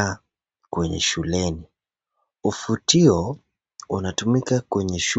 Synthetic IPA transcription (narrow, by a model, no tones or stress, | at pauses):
a | kwɛɲɛ̰ʃulɛni | ufutiɔ | unatumikakwɛɲɛʃ